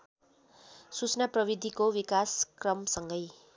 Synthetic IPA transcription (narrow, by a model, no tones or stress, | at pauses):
sut͡snaprʌβid̪ʱikowikaskrʌmsʌŋɡʌj